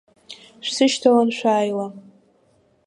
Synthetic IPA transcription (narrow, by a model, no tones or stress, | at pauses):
ʃʷᶣsɨʃtʰawanʃʷᶣaːjla